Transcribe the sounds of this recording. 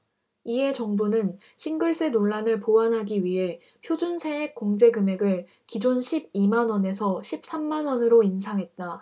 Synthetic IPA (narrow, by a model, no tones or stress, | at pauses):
iɦe̞t͡ɕʌŋbunɯn | ɕʰinɡɯɭs͈e̞noɭːanɯɭpoanɦaɡiɥiɦe̞ | pʰjod͡ʑunsʰe̞ɦek̚k͈oŋd͡ʑe̞ɡɯme̞ɡɯɭ | kid͡ʑonɕʰib̚imanʌne̞sʰʌɕʰip̚s͈amːanwʌnɯɾoinsʰaŋɦe̞t̚t͈a